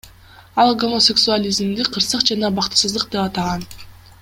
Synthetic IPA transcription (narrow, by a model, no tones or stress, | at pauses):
ɑlˠɡo̞mosʲe̞ksualʲizmd̪iqʰːɯɾsɯqd͡ʒɑnɑbɑqt̪ɯ̥sɯzd̪ˠɯq̚d̪e̞pɑt̪ɑʁɑn